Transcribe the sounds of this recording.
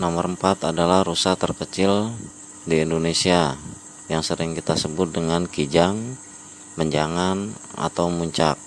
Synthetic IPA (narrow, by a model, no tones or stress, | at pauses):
noməɾəmpat̪adalahrusat̪ərkət͡ʃɪl | diːndonesia | jaŋsəɾɪŋkit̪asəbʊt̪̚dəŋankid͡ʒaŋ | məɲd͡ʒaŋana̰t̪awmuɲt͡ʃa̰k̚